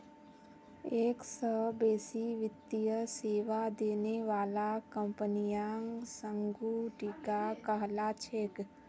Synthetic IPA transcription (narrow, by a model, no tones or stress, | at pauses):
eːksəbeːsiʋɪt̪ːijəseːʋad̪eːneʋaːlakə̃mpənijãːŋsə̃ŋɡuʈiːkakəɦlat͡ʃʰeːk